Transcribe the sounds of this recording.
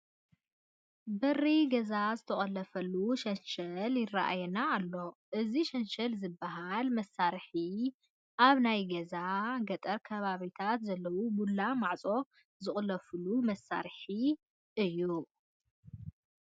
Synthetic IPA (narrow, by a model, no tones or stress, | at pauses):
bɐriɡɐzazɨt̪ʰɐχʼɐlɐfɐlːuʃɐnʃɐljɪrːaʔa̰jɛnaːlːo̞ʔɨziʃɐnʃɐlzɨbːaɦalmɐsːaɾħi | ʔaβnajɡɐzaɡɐt̪ʼɐɾkʰɐβaβit̪ʰat̪zɐlːɐwumulːamaʕt͡sʼo̞ | zɨχʼlɐfɨlumɐsːa̰ɾħi | ɨjːu